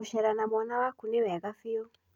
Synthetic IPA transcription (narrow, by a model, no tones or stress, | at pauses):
uʃɛɾanamwɔnawakunɛwɛɣafiɔ